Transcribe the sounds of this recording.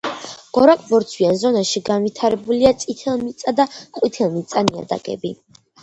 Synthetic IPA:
ɡ̥ɔɾakʼbɔɾt̪sʰwianzɔnaʃiɡanvit̪ʰaɾɛbuliat̪sʼit̪ʰɛlˠmit̪sʼad̪aqʼwit̪ʰɛlˠmit̪sʼania̰d̪a̰ɡɛ̰bi

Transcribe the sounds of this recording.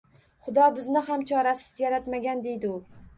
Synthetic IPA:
χʊd̪ɒbɪznɪɦamt͡ʃʰɒɾasɪ̥zjaɾat̪maɡʲand̪e̞jd̪ɪʊ

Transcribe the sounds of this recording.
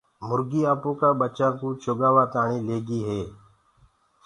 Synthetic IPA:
mʊɾɡiːaːpõːkaːɓət͡ʃãːkũːt͡ʃʰoːɠaːʋaːt̪aːɳiːleːɡiːɦeː

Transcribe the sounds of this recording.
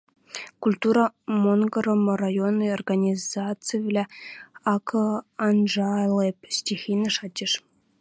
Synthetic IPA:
kulʲt̪uɾɑmonɡɤ̆ɾɤ̆mɤ̆rajonːɤjorɡanʲizat̪t͡sɨjvʲlʲæɑkʰɤ̆ɑnʐɑlʲepʲsʲtʲixʲinɘ̆ʂɑt͡ɕʲːeʂ

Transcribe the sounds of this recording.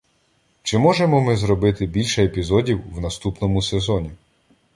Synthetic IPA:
t͡ʃɪmɔʒemɔmɪzɾɔbɪt̪ɪbʲilʲʃɛepʲizɔdʲiwwnɐst̪upnɔmʊsezɔnʲi

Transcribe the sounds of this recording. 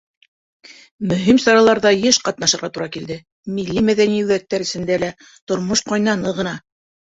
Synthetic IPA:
mɵ̆ɦimsɑɾɑlˠɑɾðɑjɤʃqɑt̪nɑʃɤ̆ɾʁɑt̪uɾɑkild̪ɘ | milːimæðæniʉðæk̚t̪ːæɾɘ̆sɘ̆nd̪ælæ | t̪ŏɾmoʃqɑjnɑnɤʁɤ̆nɑ

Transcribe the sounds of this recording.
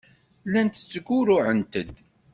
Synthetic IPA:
lænt̪ə̥t͡sːəɡʊɾʊʕənt̪əd̪

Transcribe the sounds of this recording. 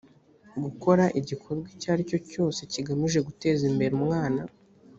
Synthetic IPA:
ɡuko̞ɾaʔiɟikʰo̞ɾɡwicaːɾico̞co̞ːse̞ciɡamiʒe̞ɡute̞ːzimbe̞ɾumŋaːna

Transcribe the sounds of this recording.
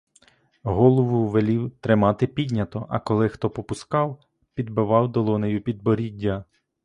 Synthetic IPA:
ɦɔlˠɔʋʊʋelʲiwt̪ɾɪmɑt̪ɪpʲidʲnʲɐt̪ɔʔɐ̰kɔlˠɪxt̪ɔpɔpʊskɑw | pʲid̪bɪʋɑwd̪ɔlˠɔnejupʲid̪̚bɔɾʲidʲːɐ

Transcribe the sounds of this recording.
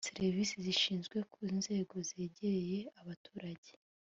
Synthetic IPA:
seɾvisiziʃiːnzɡwe̞kuinze̞ːɡo̞ze̞ːɟeɾeje̞aβatuːɾaɟe

